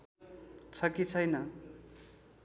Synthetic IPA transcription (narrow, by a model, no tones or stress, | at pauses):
t͡sʰʌkit͡sʰʌjnʌ